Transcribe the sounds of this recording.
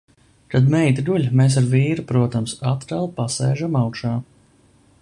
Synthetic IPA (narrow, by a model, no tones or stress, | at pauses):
k̪ad̪mɛjt̪d̪uʎʲmeːs̬aɾviːɾupɾuɔt̪amsat̪ɾalˠpasɛːʒamawkʃaː